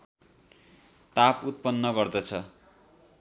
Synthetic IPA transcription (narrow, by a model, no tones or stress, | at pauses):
t̪aput̪̚pʌnːʌɡʌrd̪ʌt͡sʰʌ